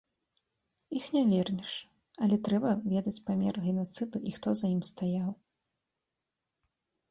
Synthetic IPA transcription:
ixnʲɛvʲɛrnʲɛʂ | ɐlʲɛt̪ɾɛbɐvʲɛd̪ɐt͡sʲpamʲɛ̰rɣʲɛnat̪sɨd̪uʔixt̪ɔzɐjimst̪ajaw

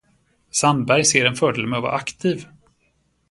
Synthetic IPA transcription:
sand̪bæɾjseːɾɛnfœːɖelmɛvɑ̰ːʔakt̪ʰiːv

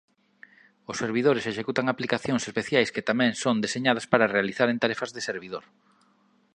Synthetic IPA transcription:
ʊsːeɾβ̞iðoɾɪseʃekut̪aŋaplikaθjõŋsespeθjajskɪt̪amɛ̃ŋsond̪eseɲaðaspaɾarealiθaɾent̪aɾɛfɐzðɪseɾβiðoɾ

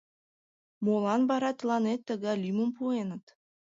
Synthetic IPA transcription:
molˠɑnbɑɾɑt̪ɤlˠɑnet̪ːə̆ɡɑlʲiməmpuenə̆t̪

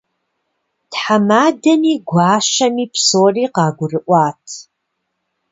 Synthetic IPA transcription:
tħamaːdɐniːɡʷɑːʃɐmiːpsoːriːqɑːɡʷʊrɨʔʷɑːtʰ

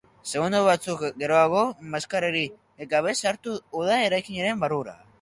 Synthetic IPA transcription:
se̞ɣund̪oβ̞at͡sukɡe̞ɾo̞aɣo̞maskaɾeɾi | ɡaβ̞e̞saɾt̪uuðae̞ɾajkiɲeɾe̞mbaruɾa̰

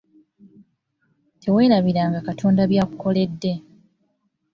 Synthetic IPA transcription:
tʰe̞we̞ːɾaβiɾaːŋɡakatʰo̞ːndaβjaːkuko̞le̞dːe̞

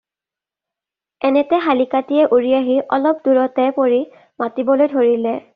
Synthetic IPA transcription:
ɛnɛtɛɦalikatijɛʔuɹijaɦiʔɔlɔp̚duɹɔtɛpoɹi | matibɔlojdʱoɹilɛ

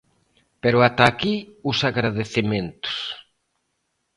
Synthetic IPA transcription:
peɾʊat̪akiusaɣɾaðeθimẽnt̪ʊ̥s

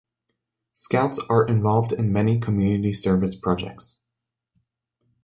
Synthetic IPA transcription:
skaʊtsə˞ʔɪ̃ɱvɑlˠvdɪ̃nmɛnikʰəmjʉnɨɾisɜ˞vɨspʰɹ̥ɑd͡ʒɛ̰k̚ts

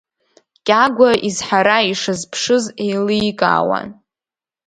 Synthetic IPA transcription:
kʲʼaɡʷaizħaɾaiʂɨzpʰʂɨzejlijkʼa̰ːwa̰n

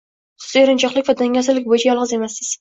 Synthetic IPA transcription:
ɪɾɪnt͡ʃʰɒqlˠɪkʲvad̪aŋjʲɒsɪɾlɪk̚ʲbojɪt͡ʃʰajɒlˠʁɨze̞masɪz

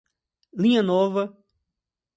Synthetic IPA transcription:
lĩɲɐnɔvɐ

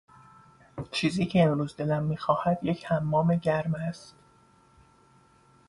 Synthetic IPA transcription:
t͡ʃʰiːziːcʰeːmɾuːzd̪e̞læmːiːxɒːhæd̪̥jecʰhæmːɒːme̞ɟæɾmæst̪

